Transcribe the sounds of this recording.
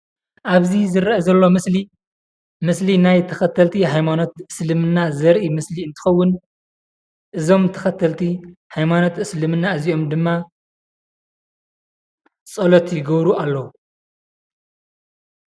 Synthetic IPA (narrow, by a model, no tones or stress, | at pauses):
ʔaβzizɨɾʔɐzɐlːo̞mɨsli | mɨslinajt̪ʰɐxɐt̪ʰːɐlt̪ʰiɦajmano̞t̪ɨslɨmɨnːazɐɾʔimɨsliɨnt̪ʰɨ̥xɐwːʊn | ʔɨzo̞mt̪ʰɐxɐt̪ʰːɐlt̪ʰihajmano̞t̪ɨslɨmɨnːaɨziʔo̞md̪ɨmːa | t͡sʼɐlot̪jɪɡɐβɾuʔalːɐwu